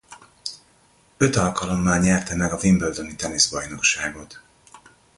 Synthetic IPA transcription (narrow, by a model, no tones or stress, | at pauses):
ø̞t̪ɒlkɒlo̞mːaːɲɛrt̪ɛmɛɡɒvimbøld̪ø̞nit̪ɛneːzbɒjno̞kʃaːɡo̞t̪